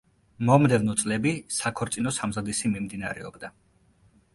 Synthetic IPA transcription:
mɔmd̪ɛvnɔt̪sʼlɛbisakʰɔɾt̪sʼinɔsamzad̪isimimd̪ina̰ɾɛ̰ɔbd̪a

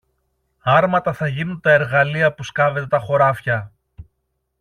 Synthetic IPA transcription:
ɐɾmɐt̪ɐθɐʝinunt̪ɐe̞ɾɣɐliɐpuskɐve̞t̪e̞t̪ɐxo̞ɾɐfçɐ

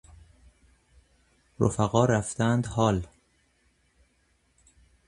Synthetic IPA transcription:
ɾo̰fæɣɒːɾæft̪ænd̪hɒːl

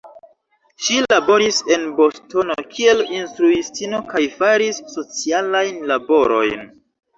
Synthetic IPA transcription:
ʃilabo̞ɾise̞nbo̞sto̞no̞kʰie̞linstɾuistino̞kajfaɾisːo̞t͡sialajnlabo̞ɾo̞̰jn

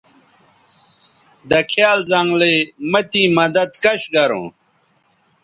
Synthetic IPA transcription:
d̪ɐkʰjaːlzɐŋɡlemɐt̪imɐd̪ɐd̪kɐɕɡɐɾṵ̃ː

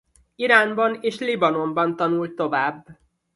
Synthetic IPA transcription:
iɾaːnbɒneːʃlibɒno̞mbɒnt̪ɒnult̪ːo̞vaːbː

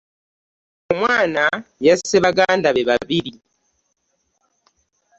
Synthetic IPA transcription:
omwaːnajaseβaɡaːndaβeβaβiɾi

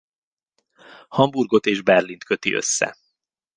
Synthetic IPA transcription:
hɒmburɡo̞t̪eːʒbɛrlint̪kø̞t̪iʔø̞̰sːɛ̰

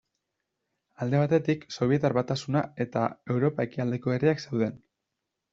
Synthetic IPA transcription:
ald̪e̞β̞at̪e̞t̪ikso̞β̞ie̞t̪aɾβat̪asunae̞t̪a̰e̞wɾo̞pae̞kiald̪e̞ko̞e̞ɾiakse̞wð̞e̞n

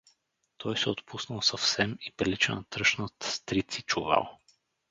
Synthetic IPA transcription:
t̪ʰɔjsɛot̪pʰusnəlˠsɐfsɛmipɾilit͡ʃɛnɐt̪ɾɤʃnət̪st̪ɾit̪sit͡ʃuva̰lˠ

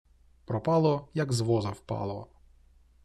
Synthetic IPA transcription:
pɾɔpɑlˠɔjɐɡzʋɔzɐwpɑ̰lˠɔ

